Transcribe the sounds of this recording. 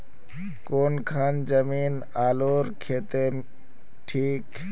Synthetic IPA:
konkʰand͡ʒəmiːn | aːloɾkʰet̪e | ʈʰiːk

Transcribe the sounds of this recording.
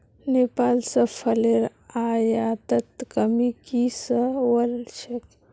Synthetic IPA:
nepaːlsəpʰəleɾ | ajat̪ət̪kəmikisəwəlt͡ʃʰek

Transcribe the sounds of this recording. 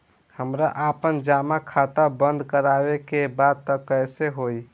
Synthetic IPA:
həmɾaʔapənd͡ʒamakʰat̪abənd̪ʱkəɾaβekebad̪̚t̪ɔkəjseɦoj

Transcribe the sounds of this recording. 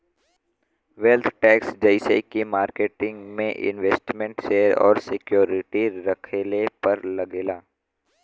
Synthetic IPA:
ʋelt̪ʰʈɛːksd͡ʒɐɪsḛkemaːɾkeːʈɪ̃ŋɡmẽʔɪ̰̃nʋeːsʈmẽɳʈʃeːɾɔ̰ːɾsɪkjoːɾɪʈiɾɐkʰeːlepɐɾlɐɡeːlaː

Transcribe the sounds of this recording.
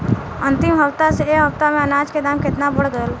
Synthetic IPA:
ə̃nt̪ɪmɦəwt̪aseeɦəwt̪amẽənaːd͡ʒked̪aːmkɪt̪nabəɽɡəl

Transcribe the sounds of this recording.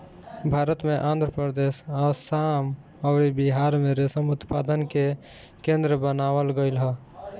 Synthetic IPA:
bʱaːɾət̪mẽʔãːnd̪ʱɾəpɾəd̪eːsəsaːm | ɔʊɾibiɦaːɾmẽɾesəmʊt̪pad̪ənke | kẽnd̪ɾəbənaːwəlɡəɪlɦə

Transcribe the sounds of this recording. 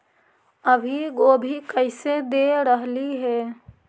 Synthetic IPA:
əbʱiɡoːbʱikəɪsed̪eɾəɦliɦɛː

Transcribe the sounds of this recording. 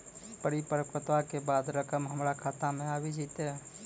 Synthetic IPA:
pəɾipəɾəkɾət̪ʋakebaːd̪ɾəkəmɦəmɾakʰaːt̪amẽaːbid͡ʒiːt̪e

